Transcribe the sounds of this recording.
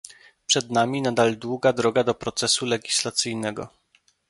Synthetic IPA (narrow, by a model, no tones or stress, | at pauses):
pʂɛd̪namʲinad̪ald̪wuɡad̪ɾɔɡad̪ɔpɾɔt̪sɛsulɛɡʲislat̪sɘjnɛɡɔ̰